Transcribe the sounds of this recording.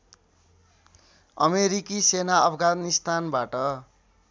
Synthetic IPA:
ʌmeɾikisenaʌpʰɡanist̪ʰanbaʈʌ

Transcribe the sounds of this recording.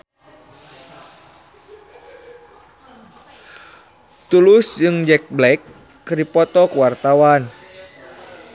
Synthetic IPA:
t̪ulusd͡ʒɨŋd͡ʒɛk̚blɛkː | rdipɔt̪ɔkəwart̪awan

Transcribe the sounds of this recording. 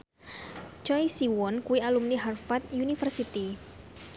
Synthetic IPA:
t͡ʃɔjsiwɔnkuialumniɦarfat̪junifərsit̪i

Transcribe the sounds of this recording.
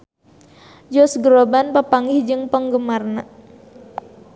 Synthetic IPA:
d͡ʒɔsɡəɾobanpəpaŋɪhd͡ʒɨŋpəŋɡəmarna

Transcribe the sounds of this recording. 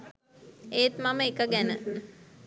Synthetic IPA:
eːt̪maməikəɡænə

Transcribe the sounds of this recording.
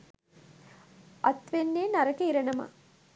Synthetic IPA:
ɐt̪ʋenːeːnɐɾɐkeiɾɐnɐmɐ̰

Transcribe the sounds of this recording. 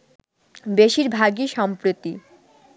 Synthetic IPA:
beʃiɾbʱaɡiʃɔmpɾot̪i

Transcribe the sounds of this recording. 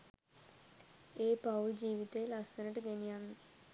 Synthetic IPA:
eːpad͡ʒiːʋit̪elasənəʈɡenijanːi

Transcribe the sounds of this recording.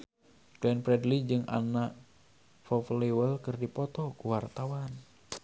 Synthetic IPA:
klɛnpɾɛdlid͡ʒɨŋʔa̰naʔ | fɔfliwəlkɨrdipɔt̪ɔkuwart̪awan

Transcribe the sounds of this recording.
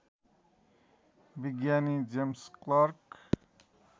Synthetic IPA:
biɡjanid͡ʒemsklaɾk

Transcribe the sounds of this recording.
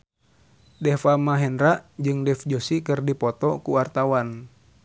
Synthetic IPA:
dɛfamaɦɛnɾaʔd͡ʒɨŋdɛfd͡ʒosikɨrdipɔt̪ɔkuwart̪awan

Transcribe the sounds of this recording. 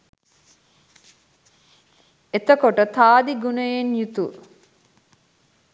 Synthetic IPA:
et̪əkoʈət̪aːd̪iɡunəjenjut̪u

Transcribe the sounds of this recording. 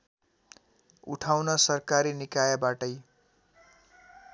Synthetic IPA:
ṵʈʰawnʌsʌrkaɾinikajʌbaʈʌj

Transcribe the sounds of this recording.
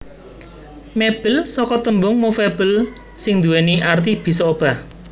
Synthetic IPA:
meb̥əlsɔkɔt̪əmbʊŋmofeb̥əl | sɪŋnd̪uweniʔart̪̬ib̥i̤sɔob̥a̤h

